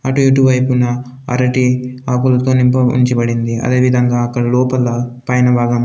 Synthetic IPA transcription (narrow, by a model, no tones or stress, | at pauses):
ɐʈueʈuʋɐjpunɐ | ɐ̰ɾɐʈiaːkulɐt̪o̞ːnimpɐṵɲt͡ʃibɐɽind̪iɐ̰d̪e̞ːʋid̪ʱɐŋɡaːkːɐɽɐlɔːpɐlɐpɐjnɐbʱaːɡɐm